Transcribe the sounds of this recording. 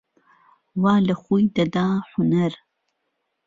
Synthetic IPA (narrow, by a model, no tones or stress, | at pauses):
waːlɐχʷujd̪ɐd̪aːħʷʊnɐr